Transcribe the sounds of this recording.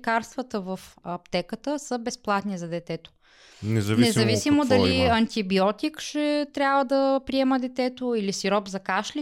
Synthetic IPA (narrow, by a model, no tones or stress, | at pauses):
kaɾst̪vət̪əvəfɐpt̪ɛkət̪əsəbɛsplˠat̪nizɐd̪ɛt̪ɛt̪o̥ | nɛzɐvnɛzɐvisimod̪ɐliɐnt̪ibiɔt̪ikʃɛt̪ɾʲjabvəd̪əpɾiɛməd̪ɛt̪ɛt̪oilisiɾɔbzɐkaʃli